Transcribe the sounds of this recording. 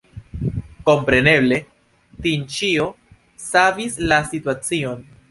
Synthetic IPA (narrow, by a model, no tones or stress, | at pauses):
ko̞mpɾe̞ne̞ble̞ | tint͡ʃio̞ | savislasituat͡sio̞n